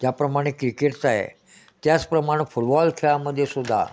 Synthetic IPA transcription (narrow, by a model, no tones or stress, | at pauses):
d͡ʑjapɾəmaɽ̃ekɾikeʈsaɦḛ | t̪jat͡spɾəmaɽ̃efuɽbɔlt̪ʰeɭaməd̪ʱːjesud̪ʱa̰